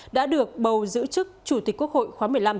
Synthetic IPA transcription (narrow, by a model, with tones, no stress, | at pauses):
ɗa̰ː˧˥ɗɨ˨˩ək̚ɓə˨˩wzɨ̰˧˥t͡ɕɨ˦˥k̚t͡ɕu˧˩t̪i˨˩k̟ku˦˥ək̚ho̰˧˨jxwaː˨˦mɨ˨˩əjla˧m